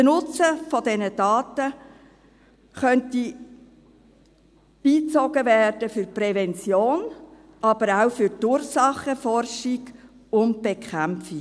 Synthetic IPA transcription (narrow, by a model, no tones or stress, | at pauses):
ənʊt͡səfɔdɛnəd̥ɑːtə | χœnti | b̥iːt͡sɔɡəvɛːrd̥əfʏɾprɛvɛnt͡sjoːn | ɑb̥əɾaʊfʏɾtuːɾsɑχəfɔrʃiɡ | ʊnt̚b̥ekʰχæmfi